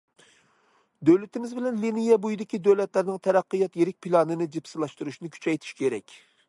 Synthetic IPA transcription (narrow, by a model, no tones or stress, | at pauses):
d̪øwlɪt̪ʰɪmɪzbɪlɛnlinijɛbujd̪ɪkʲid̪øwlɛt̪læɾnɪŋt̪ʰɛɾæqːɨjɑt̪jeɾɪk̚ʲpʰilˠɑnɨnɪd͡ʒipsɨlˠɑʃt̪uɾuʃnɪkʲʰy̥t͡ʃɛjt̪ʰi̥ʃkʲʰeɾɛkʲ